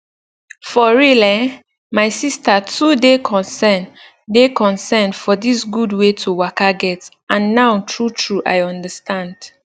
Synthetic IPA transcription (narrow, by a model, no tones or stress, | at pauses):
fɔɹilɛ̃ | maɪsistatʰudekʰɔ̃nsɛn | dekɔ̃nsɛ̃nfɔdisɡudwetʰuwakaɡɛt | ãnːaʊtʰɹutʰɹuʔa̰ɪɔ̃ndəstʰãnd̥